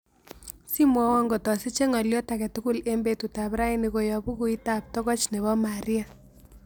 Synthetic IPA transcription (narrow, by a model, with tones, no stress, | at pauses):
si˦mwɔ˦wɔ˦ŋɡɔ˨tɔ˨si˦t͡ʃe˦ŋɔ˨ljɔ˦ta˨kɛ˨tu˦ku˦le˦mbe˦tu˨ta˨bɾa˦ini˨ko˨jɔ˨bu˦ku˨i˦tap̚tɔ˦ɣɔ˦t͡ʃne˨βɔ˦ma˨ɾia˦